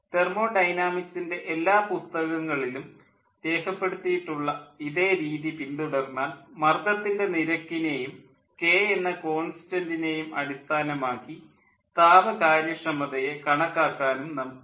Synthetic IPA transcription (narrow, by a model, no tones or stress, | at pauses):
t̪e̞rmo̞ːɖɐjnaːmiksinde̞ʔelːaːpust̪ɐɣɐŋːɐɭilum | d̪e̞ːkɐpːe̞ɽut̪ːijiʈːuɭːɐiðe̞ːɾiːðipinɖuɽɐrnːaːlmɐrɡ̪ɐt̪ːinde̞niɾɐkːine̞jum | ke̞ːenːɐko̞ːnsi̥tɐndine̞jumɐɽist̪ʰaːnɐmaːkːi | t̪aːʋɐkaːɾjɐʂɐmɐðɐje̞kɐɳɐkːaːkːaːnumnɐmk